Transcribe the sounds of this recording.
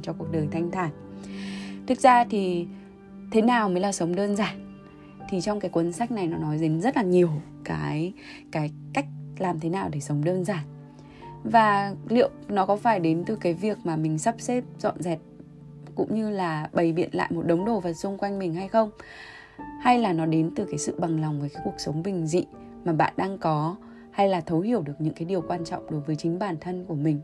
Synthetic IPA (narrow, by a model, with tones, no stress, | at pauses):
t͡ɕɔ˧ku˨˩ək̚ɗəː˨˩jt̪ʰa˧jŋ̟t̪ʰaː˧˩n | t̪ʰɨ˨˩k̚zaː˧t̪ʰi˨˩ | t̪ʰe˨˦naː˨˩wməː˨˦jlaː˨˩sə˨˦wŋ͡mɗəː˧nzaː˨˩n | t̪ʰi˨˩t͡ɕɔ˧wŋ͡mkaː˨˦jkwə˨˦nsaː˦˥k̚na˨˩jnɔ˨˦nɔ˨˦jze˨˦nzə˦˥t̚laː˨˩ɲi˨˩əw | kaː˨˦j | kaː˨˦jka˦˥jk̟̚laː˨˩mt̪ʰe˨˦naː˨˩wɗe˧˩sə˨˦wŋ͡mɗəː˧nzaː˨˩n | vaː˨˩lḭ˧˨əwnɔ˨˦kɔ˨˦faː˧˩jɗe˨˦nt̪ɨ˨˩kaː˨˦jvi˨˩ək̚maː˨˩mï˨˩ŋ̟sa˦˥p̚se˦˥p̚zɔ̰˧˨nzɛ˨˩t̚ | kʊ̰˧˥ŋ͡mɲɨ˧laː˨˩ɓə˨˩jɓḭ˧˨ənla̰ː˧˨jmo˨˩t̚ɗə˨˦wŋ͡mɗo˨˩vaː˨˩sʊ˧ŋ͡mkwa˧jŋmï˨˩ŋ̟ha˧jxə˧wŋ͡m | ha˧jlaː˨˩nɔ˨˦ɗe˨˦nt̪ɨ˨˩kaː˨˦jsɨ̰˧˨ɓa˨˩ŋlɔ˨˩wŋ͡mvəː˨˦kaː˨˦jku˨˩ək̚sə˨˦wŋ͡mɓï˨˩ŋ̟zḭ˧˨ | maː˨˩ɓa̰ː˧˨nɗaː˧ŋkɔ˨˦ | ha˧jlaː˨˩t̪ʰə˨˦whi˧˩əwɗɨ˨˩ək̚ɲɨ̰˧˥ŋkaː˨˦jɗi˨˩əwkwaː˧nt͡ɕɔ̰˧˨wŋ͡mɗo˨˦jvəː˨˦jt͡ɕï˨˦ŋ̟ɓaː˧˩nt̪ʰə˧nku˧˩əmï˨˩ŋ̟